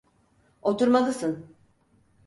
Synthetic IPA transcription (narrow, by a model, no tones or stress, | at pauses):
ot̪ʰuɾmalˠɯsɯn